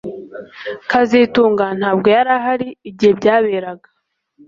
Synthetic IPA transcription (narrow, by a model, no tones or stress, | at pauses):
kazituːŋɡan̥haːbɡo̞jaɾaɦaɾiːbɟihebɟaːβeːɾaɡḁ